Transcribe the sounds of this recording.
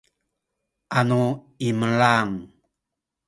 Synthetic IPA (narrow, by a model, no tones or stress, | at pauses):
ʔanu | iməɭaŋ